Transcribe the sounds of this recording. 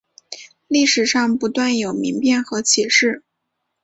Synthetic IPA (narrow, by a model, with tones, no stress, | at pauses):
li˥˩ʂɻ̩˨˩ʂɑ˥˩ŋpu˧˥t̪wa˥˩njo˨˩ʊmi˧˥ŋpjɛ˥˩nxɤ˧˥t͡ɕʰi˨˩ʂɻ̩˥˩